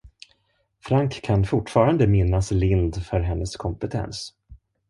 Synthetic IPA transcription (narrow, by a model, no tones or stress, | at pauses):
fɾaŋkʰːanfʊʈfɑːɾand̪əmɪnːaslɪnd̪fœɾɦɛnːəskʰɔmpət̪ʰɛ̰ns